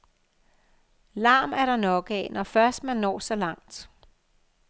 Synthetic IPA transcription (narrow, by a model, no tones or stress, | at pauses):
lɑ̈ːmæɐɾ̥ɑ̈nɒ̽ɡ̥ɛnɒfɶɐsd̥mænːɒ̰ːsɒ̽lɑ̈ŋ̰d̥